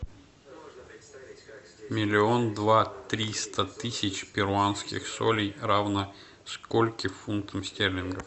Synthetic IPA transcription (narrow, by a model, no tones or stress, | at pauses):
mʲɪlʲɪo̞nd̪vat̪ɾʲist̪ət̪ɨsʲɪt͡ɕpʲɪɾʊanskʲɪ̰xsolʲɪjravnə | skolʲkʲɪfunkt̪əmsʲtʲerlʲɪnɡəf